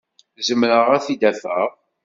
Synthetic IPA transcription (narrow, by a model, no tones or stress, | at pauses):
zəmɾəʁæθid̪æfəʁ